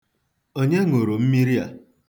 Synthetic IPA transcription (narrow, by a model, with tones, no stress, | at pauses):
o˦ɲe˦ŋo˨ɾo˨m̩˦mi˦ɾi˦a̰˨